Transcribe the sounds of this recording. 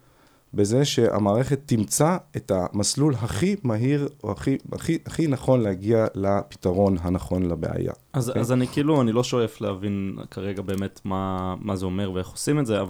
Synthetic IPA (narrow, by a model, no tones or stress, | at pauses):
be̞zeʃe̞ʔa̰maːʁe̞χe̞t̪ːimt͡saetamaslulɦaχimaɦiʁaχia̰χiaχinaχo̞nlehaɡialapi̥taʁo̞nɦanaχo̞nlabḛa̰ja̰azazanikiiluanilo̞ʃoeflehavinkaʁeɡabe̞ːmetmamazeome̞ʁveeχosimetzeav